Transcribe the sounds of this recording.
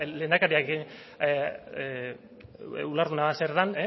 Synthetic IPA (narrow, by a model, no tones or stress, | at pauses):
le̞ːnakaɾiakeɣin | ulaɾðunaðaseɾðane